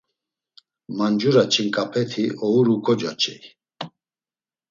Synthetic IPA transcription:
mand͡ʒuɾat͡ʃʰinkʼapʰɛt̪ʰiɔuɾukʰʼɔd͡ʒa̰t͡ʃʰʼɛ̰i

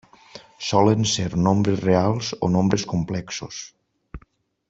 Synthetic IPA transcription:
sɔlənseɾnombɾezrealˠzo̰nombɾeskumplɛksos

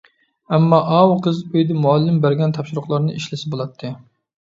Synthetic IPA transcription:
ɛmːɑʔɑwqʰəzøjd̪ɛmuɑlːɪmbæɾɡʲɛnt̪ʰɑpʃuɾʊχlˠɑɾnɨiʃlɪsɪbolˠɑt̪ʰːɨ

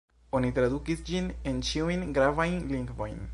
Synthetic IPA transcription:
onit̪ɾad̪ukisd͡ʒinent͡ʃiujnɡɾavajnliŋɡvo̰jn

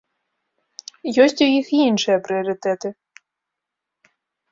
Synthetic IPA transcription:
jɔsʲt͡sʲujixinʂɨjɐpɾɨɐɾɨt̪ɛt̪ɨ

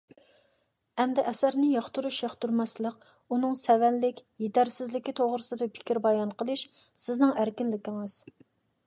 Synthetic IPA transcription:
ɛmd̪ɛʔɛsæɾnɪjɑχt̪uɾuʃjɑχt̪uɾmɑslˠəq | unɨŋsɛvɛnlɪkʲjet̪æɾsɪzlɪkʲit̪ʰoʁɾɨsɨd̪ɨpʰɪ̥kʲiɾbɑjɑnqəlˠɨʃ | sɪznɨŋæɾkʲinlɪkʲiŋɨz̥

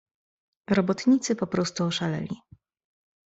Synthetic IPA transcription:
ɾɔbɔt̪ɲit̪sɘpɔpɾɔst̪uɔʂalɛ̰lʲḭ

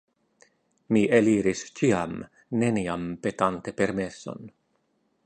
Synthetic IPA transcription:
miʔeliɾist͡ʃiam | ne̞niampe̞t̪ant̪e̞pe̞ɾme̞so̞̰n

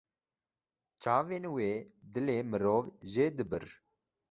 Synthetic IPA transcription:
t͡ʃaːveːnweːd̪ɨleːmɨɾoːvʒeːd̪ɨbɨɾ

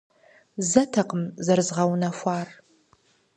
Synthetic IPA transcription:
zɐtʰɐqəmzɐrɨzʁɐwnɐfʷɑːr

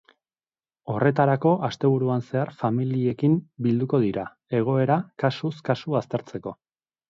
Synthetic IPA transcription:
o̞rʔe̞t̪̬aɾako̞ʔast̪e̞β̞uɾuanse̞aɾfamilie̞kimbild̪uko̞ð̞iɾa | e̞ɣ̞o̞e̞ɾakasuskasuast̪e̞ɾt͡se̞ko̞̰

